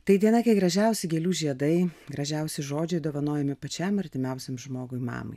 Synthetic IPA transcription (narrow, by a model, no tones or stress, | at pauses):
t̪ɐɪd̪ʲiɛnɐkʲɐɪɡɾɐʒʲɛʊsʲɪɡʲeːlʲuːʒʲiɛd̪ɐɪɡɾɐʒʲɛʊsʲɪʒoːd͡ʒʲɛɪd̪oːʋɐnoːjɛmʲɪpɐt͡ʃʲɛmɐɾʲt̪ʲɪmʲɛʊsʲɛmʒmoːɡʊɪmɑ̰ːmɐ̰ɪ